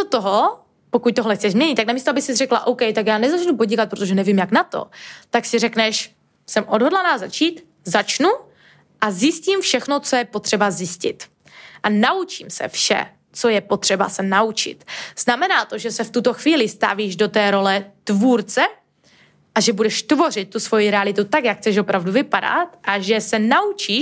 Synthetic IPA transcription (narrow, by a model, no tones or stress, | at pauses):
ot̪oɦo | pokuc̚t̪oɦlɛxt͡sɛʒzmɲɛɲɪt̪ːaknamiːst̪oabɪxsɪzrɛkla̰ʔowkɛjt̪akjaːnɛzat͡ʃnupoɟikat̪̚pɾot̪oʒɛnɛvimjaknat̪o̞̰t̪aksɪrɛknɛʃ | sɛmʔodɦo̞dlanaːzat͡ʃiːt̪ | zat͡ʃnu | ʔazjɪsciːmfʃɛxnot͡so̞jɛpot̪r̝̥ɛbazjɪscɪ̰t̪ | ʔanaut͡ʃiːmsɛ̰fʃɛ̰ | t͡sojɛpo̞t̪r̝̥ɛba̰sɛnaut͡ʃɪ̰t̪z̥namɛnaːt̪o̞ʒɛsɛft̪ut̪oxviːlɪst̪a̰viːʒdo̞t̪ɛːɾo̞lɛt̪vuːɾt͡sɛ | ʔaʒɛbudɛʃt̪vo̞r̝ɪt̪̚ːusvo̞jiɾɛalɪt̪ut̪akjakxt͡sɛʃo̞pɾavduvɪpada̰t̪ʔaʒɛsɛnaut͡ʃiː